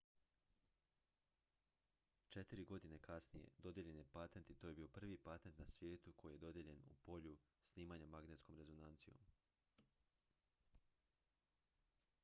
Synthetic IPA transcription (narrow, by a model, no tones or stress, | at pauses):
t͡ʃet̪iɾiɡo̞d̪inekasnijḛd̪o̞d̪je̞ʎe̞nje̞pat̪ent̪it̪ojebiːo̞pr̩ʋipat̪ent̪nasʋje̞ːt̪ukʰo̞jije̞d̪o̞d̪je̞ʎe̞nṵpo̞ʎu | sniːmaɲamaɡne̞t̪sko̞mɾe̞zo̞nant̪sijo̰m